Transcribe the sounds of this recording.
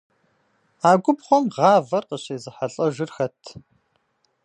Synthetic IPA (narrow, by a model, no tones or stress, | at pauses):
aːɡʷʊbχʷɔmʁɑːvɐrqəɕeːzɨħaɬʼɐʒɨrxɐtʰ